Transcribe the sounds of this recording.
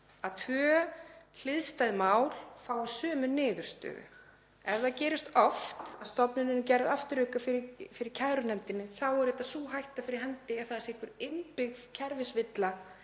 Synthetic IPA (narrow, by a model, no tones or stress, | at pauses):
aðt̪ʰvœl̥ɪðst̪ajðɪmaːwlfaːwsœːmʏnːɪːðʏɾ̥st̪ʏ̰ːɣʏ̰ | ɛɾðaðcɛːɾɪst̪ɔft̪aðst̪ɔpnʏnɪncɛɾðaft̪ɪɾhʏkafɪɾɪfɪɾɪɾ̥cʰaðɾʏnɛmt̪ɪnːɪθawɛɾɛt̪asuːɦajht̪afɪɾɪɾɦɛnt̪ɪɛ̥θaðɛsɪhkvʏɾɪmpɪɣcʰɛɾvɪsvɪt̪la